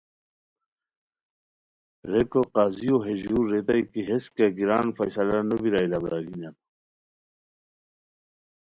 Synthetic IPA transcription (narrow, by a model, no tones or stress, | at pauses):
ɾekoqaːzijoɦed͡ʑuːɾːet̪aikiɦeskeɡiɾaːnfajsalanubiɾailabɐɾaɡinat̪